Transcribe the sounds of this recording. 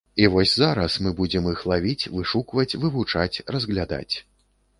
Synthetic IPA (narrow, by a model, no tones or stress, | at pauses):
ivɔsʲzaɾɐsmɨbud͡zʲɛmɨxlˠavʲit͡sʲvɨʂukvɐt͡sʲvɨvut͡ʂat͡sʲrɐzɣlʲad̪a̰t͡sʲ